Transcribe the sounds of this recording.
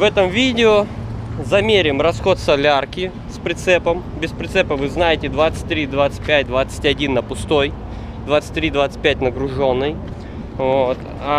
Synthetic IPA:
vɛt̪əmvʲidʲɪozɐmʲeɾʲɪmrɐsxo̞t̪sɐlʲarkʲɪ | spɾʲɪt̪sɛpəm | bʲɪspɾʲɪt̪sɛpəvɨznajɪtʲɪd̪vat̪sɨ̥t̚ʲt̪ɾʲid̪vat̪sɨ̥t̚ʲpʲæt̚ʲd̪vat̪sɨ̥tʲɐdʲinːəpʊst̪o̞j | d̪vat̪sɨ̥t̚ʲt̪ːɾʲid̪vat̪sɨ̥tʲpʲætʲnəɡɾʊʐo̞nːɨj | vot̪ | a

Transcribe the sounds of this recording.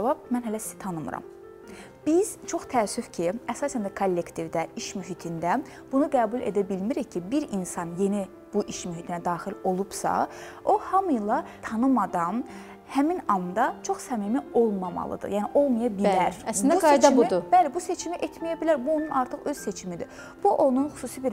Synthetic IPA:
vɑb̚mænɦælæssi̥t̪ʰɑnɯmɯ̰ɾɑ̰m | b̥iz̥t͡ʃʰo̞χt̪ʰæːsyfcʰiæsɑːsænd̪ækʰolʲːe̞kt̪ʰivd̪æiʃmyɦit̪ʰind̪æ | b̥unuɡæːbulʲˠḛd̪æbilmiɾiccʰːibiɾinsɑnje̞ni | b̥uʔiʃmyɦit̪ʰinæd̪ɑːχilo̞lˠub̥sɑ̰o̞hɑmɯjlˠɑt̪ʰɑnɯmɑd̪ɑn | hæminɑmd̪ɑt͡ʃʰo̞χsæmimio̞lˠmɑmɑ̰lˠɯ̰d̪ɯ̰jæːniʔo̞lˠmɑjɑbilæɾæsnb̪uɡɑed̪ɑuid̪ub̥ælɛbuse̞t͡ʃʰimiʔet̪mijæbilæɾbuonunɑɾt̪ʰɯχø̞z̥se̞t͡ʃʰimid̪i | b̥uʔo̞nunxu̥suːsibiɾ

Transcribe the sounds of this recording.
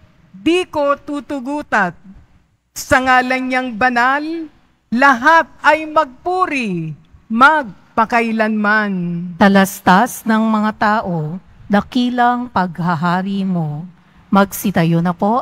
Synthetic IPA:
d̪iːkot̪uːt̪ʊɡuːt̪ɐt̪̚ | sɐŋaːlɐŋɲaŋbɐnalː | ɐɦat̪̚ɐjmɐɡ̚puːɾimɐɡ̚pɐkɐjlɐnmant̪ɐlɐst̪asnɐŋmɐŋat̪aːʔo̞ | d̪ɐkiːlɐŋpɐɡ̚hɐɦaːɾimo̞ | mɐɡsɪt̪ɐjonɐpo̞

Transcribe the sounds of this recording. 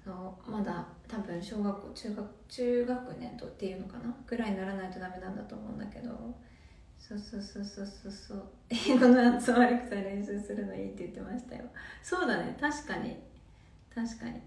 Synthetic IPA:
soːmad̪a | t̪abɯ̟̃ɰ̃ɕo̞ːɡakːo̞ːt͡ɕɨːɡak | t͡ɕɨːɡakɯ̟nẽ̞nd̪o̞t̪ːe̞iɯ̟no̞kanakɯ̟ɾaiɲnaɾanait̪o̞d̪ame̞nãnd̪at̪oːmoɯ̟̃nd̪ake̞d̪o̞̰ | soːsoːsoːsoːsoːsoː | iːɡonoat͡sɨoβaɾɯ̟kɯ̟̥saɾẽ̞ɰ̃ɕɨːsɨɾɯ̟no̞ḭːt̪ːejɯ̟t̪ːe̞maɕi̥t̪a̰jo̞so̞ːd̪anḛt̪aɕi̥kaɲ̟ḭ | t̪aɕi̥ka̰ɲ̟ḭ

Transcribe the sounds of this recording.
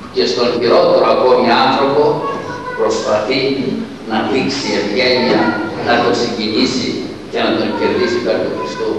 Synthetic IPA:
cest̪onçiɾot̪eɾoakomianθɾo̞po | pɾospaθi | nafiksievʝɛɲɐnat̪okseɟiɲisi | cenat̪onceɾðisipaɾt̪oxɾist̪u

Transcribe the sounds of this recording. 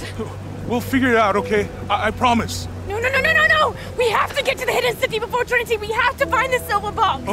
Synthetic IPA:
wilˠfɪɡjə˞ɨɾaʊɾoʊkʰeɪaaɪpʰɹ̥ɑmɨs | noʊnoʊnoʊnoʊnoʊnoʊ | wiɦæftɨɡɛtɨðɨhɛɾɨ̃nsɪfibəfɔɹtʰɜnɨɾiwihæftɨfãɪ̃nðɪsɪlˠvə˞bɔ

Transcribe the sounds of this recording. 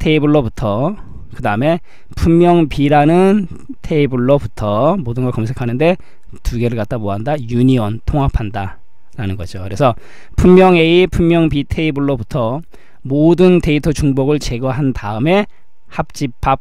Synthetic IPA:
tʰe̞ibuɭːoputʰʌ | kɯdaɯme̞ | pʰumːjʌŋpiɾanɯn | tʰe̞ibuɭːoputʰʌmodɯnɡʌkʌmsʰe̞kʰanɯnde̞ | tuɡe̞ɾɯɭkat͈̚amoɦandajuɲiʌntʰoŋapʰanda | ɾanɯnɡʌd͡ʑokɯɾe̞sʰʌ | pʰumːjʌŋe̞ipʰumːjʌŋpitʰeibuɭːobutʰʌ | modɯnte̞itʰot͡ɕuŋboɡɯɭt͡ɕe̞ɡʌɦantaɯme̞ | hap̚t͡ɕ͈ipʰːap̚

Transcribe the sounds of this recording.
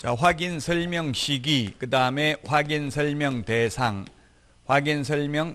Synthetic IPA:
t͡ɕaɸwaɡinsʰʌɭmjʌŋɕʰiɡikɯdaɯme̞ɸwaɡinsʰʌɭmjʌŋtesʰaŋ | ɸwaɡinsʰʌɭmjʌŋ

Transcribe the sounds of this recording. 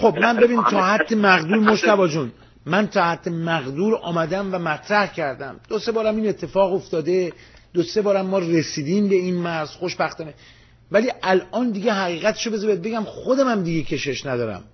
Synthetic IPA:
xo̞b̚mænbe̞biːnt̪ʰɒːhæd̪ːemæɣd̪uːɾmoʃt̪ævɒːd͡ʒun | mænt̪ʰɒːhæd̪̥ːemæɣd̪uːɾɒ̰ːmæd̪æmvæmæt̪ʰɾæhcʰæɾd̪æmd̪̥ose̞bɒːɾæmiːnet̪ʰːe̞fɒːɣo̞ft̪ɒːd̪e̞ | d̪̥ose̞bɒːɾæmːɒːresiːd̪iːmbe̞iːnmæɾz̥xoʃbæxt̪ɒːne | væliːʔælʔɒːnd̪iɟeɦæɣiːɣæt̪ʰe̥ʃobe̞zɒbet̪̚be̞ɡɟæmxod̪æmæmd̪iɡecʰe̞ʃe̞ʃnæd̪ɒːɾæ̰m

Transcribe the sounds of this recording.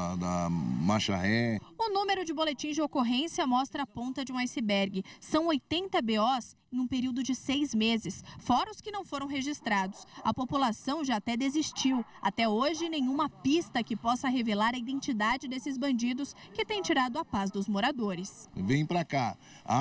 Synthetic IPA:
d̪ɐmaʃaɦɛʊnũmeɾʊd͡ʒɪbolet͡ʃĩzd͡ʒɪokoɦẽsjɐmɔst̪ɾɐːpõnt̪ɐd͡ʒɪũajsɪbɛɾɡɪsɐ̃w̃ojt̪ẽnt̪ɐbeɔsẽj̃ũpeɾiwd̪ʊd͡ʒɪsejzmezɪsfɔɾɐʊskɪnɐ̃w̃foɾɐ̃w̃ɦeʒist̪ɾad̪ʊsɐpopulasɐ̃w̃ʒaːt̪ɛd̪ezist͡ʃiwat̪ɛoʒɪnẽj̃ũmɐpist̪ɐkɪpɔsɐɦevelaɾɐid̪ẽnt͡ʃid̪ad͡ʒɪd̪esɪzbɐ̃nd͡ʒid̪ʊskɪt̪ẽj̃t͡ʃiɾad̪ʊɐpazd̪ʊzmoɾad̪oɾɪsvẽj̃pɾaka | a̰

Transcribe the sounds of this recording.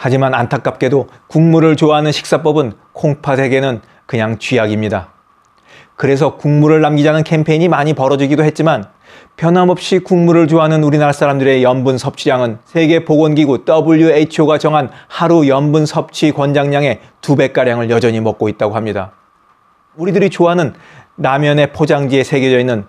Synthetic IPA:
had͡ʑimanantʰak͈ap̚k͈e̞do | kuŋmuɾɯɭt͡ɕoɦanɯnɕʰi̥k̚s͈ap͈ʌbɯn | kʰoŋpʰasʰeɡe̞nɯn | kɯɲaŋt͡ɕɥiaɡimɲida | kɯɾe̞sʰʌkuŋmuɾɯɭːamɡid͡ʑanɯnkʰe̞mpʰe̞iɲimaɲipʌɾʌd͡ʑiɡidoɦe̞t̚t͡ɕ͈iman | pjʌnɦamʌp̚ɕ͈ikuŋmuɾɯɭt͡ɕoɦanɯnuɾinaɭs͈ʰaɾamdɯɾe̞jʌnbunsʰʌp̚t͡ɕʰiɾaŋɯnsʰe̞ɡe̞poɡʌnɡiɡot͈ʌbuʎjueit͡ɕʰoɡat͡ɕʌŋɦanhaɾujʌnbunsʰʌp̚t͡ɕʰikwʌnd͡ʑaŋɲaŋe̞ | tube̞k͈aɾjaŋɯɭjʌd͡ʑʌɲimʌk͈̚oit̚t͈aɡoɦamɲida̰ | uɾidɯɾit͡ɕoɦanɯnː | amjʌne̞pʰod͡ʑaŋd͡ʑie̞sʰe̞ɡe̞d͡ʑʌinːɯn

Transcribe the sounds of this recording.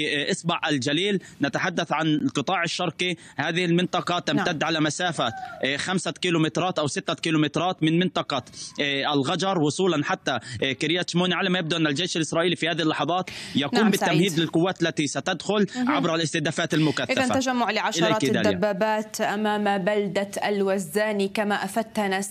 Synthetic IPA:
ʔɑsbɑʕʔɪld͡ʒaliːlnat̪aħad̪ːaθʕanlqɨt̪ˤɑːʕɪʃːɑɾˤqihaːðɪhɪlmɪnt̪ˤɑqɑt̪amt̪ad̪ːʕalamasaːfaxamsakiːlʊmɪt̪ɾˤɑːt̪ʔawsɪt̪ːakiːlumɪt̪ɾˤɑːt̪mɪnmɪnt̪ˤɑqɑʔɪlɣɑd͡ʒɑɾˤwʊsˤuːlɑnħat̪ːakɪɾɪjat̪ʃmuːniʕalamajab̚d̪uʔanːald͡ʒeːʃɪlʔɪsɾˤɑːʔiːlifihaːðɪhlːɑħɑðˤɑːt̪jakuːmbɪt̪ːamhiːd̪lɪlqʊwːaːt̪lːat̪isat̪ad̪xʊlʕabɾˤalʔɪst̪ɪhd̪aːfaːt̪almʊkaθʔɪaðanaad͡ʒamːʊʕlɪʕaʃʔɪlɾˤɪd̪aːlabːaːbaːt̪ʔamaːmbald̪aalwazːaːnikamaʔafad̪̚t̪hanas

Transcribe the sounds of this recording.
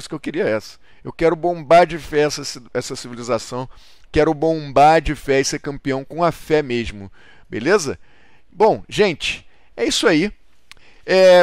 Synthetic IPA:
sʊkewkɪɾiɐɛsɐ̥ | ewkɛɾʊbõbaɾd͡ʒɪfɛɛsɐsɛsɐsivilizasɐ̃w̃ | kɛɾʊbõbaɾd͡ʒɪfɛɪseɾkɐ̃mpiɐ̃w̃kõɐfɛmeʒmʊ | bḛlezɐ | bõw̃ʒẽnt͡ʃɪ̥ | ɛisʊai | ɛ

